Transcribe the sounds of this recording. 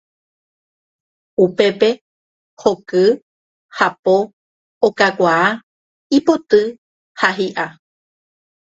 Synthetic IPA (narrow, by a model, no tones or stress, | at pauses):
upe̞pe̞ | hokɨ | hapo | okakʷaa | ipo̞t̪ɨ | haɦiʔa